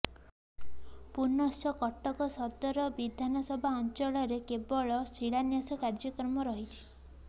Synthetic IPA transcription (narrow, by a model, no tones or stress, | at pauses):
punːɔsjɔkɔʈːɔkɔsɔd̪ɔɾɔbid̪ʱanɔsɔbʱaɔnt͡ʃɔɭɔɾekebɔɭɔsiɭanjasɔkaɾd͡ʒɔkɾɔmɔɾɔɦit͡ʃʰi̥